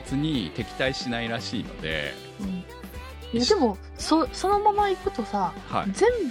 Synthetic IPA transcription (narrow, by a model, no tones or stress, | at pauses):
t͡sɨɲ̟it̪e̞kʲi̥t̪aiɕinaiɾaɕḭːno̞̰d̪ḛ | ɯ̟̃ɴ | jad̪e̞mo̞ | soso̞no̞mamaikɯ̟t̪o̞saha̰zẽ̞mb